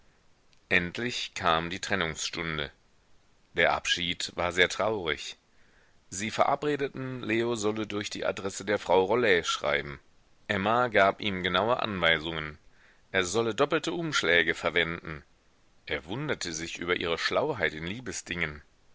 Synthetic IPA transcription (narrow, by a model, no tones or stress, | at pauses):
ʔɛntʰlɪçkʰaːmdiːtʁ̥ɛnʊŋsʃtʊndə̰ | d̥eːɐʔa̰pʃiːtvaːɐzeːɐtʁ̥aʊʁɪ̰ç | ziːfɛɐʔapʁeːdətn̩leːozɔlədʊɐçd̥ḭːʔa̰dʁɛsədeːɐfʁ̥aʊʁolɛʃʁ̥a̰ɪbm̩ | ʔɛmaɡaːpʔiːmɡənaʊəʔa̰nvaɪzʊŋən | ʔeːɐzɔlədɔpl̩təʔʊmʃlɛːɡəfɛɐvɛndn̩ | ʔeːɐvʊndɐtʰəzɪçʔy̰ːbɐʔiːʁəʃlaʊɦaɪtɪnliːbəsd̥ɪŋən